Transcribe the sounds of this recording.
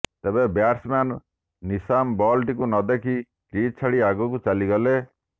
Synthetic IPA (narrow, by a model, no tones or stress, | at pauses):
t̪ebẽbjaɾsmanː | isambɔlʈikunʌd̪ekʰi | kɾit͡sʰaɽiaɡɔkut͡saliɡʌle